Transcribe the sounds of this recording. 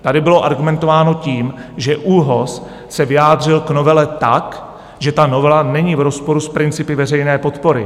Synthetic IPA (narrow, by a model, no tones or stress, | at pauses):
t̪adɪbɪloʔaɾɡumɛnt̪o̞vaːno̞ciːmʒɛʔuɦos | sɛvɪjaːd̪r̝ɪlɡno̞vɛlɛt̪ak | ʒɛt̪ano̞vɛlanɛɲiːvɾo̞spo̞ɾuspɾɪnt͡sɪpɪvɛrɛjnɛːpo̞t̪po̞ɾɪ̰